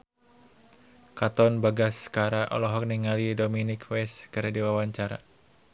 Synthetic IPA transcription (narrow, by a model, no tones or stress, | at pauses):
kat̪ɔnbaɡaskaɾaʔɔ̰lɔɦɔk̚niŋalidominikwɛskɨɾdiwawaɲt͡ʃaɾa̰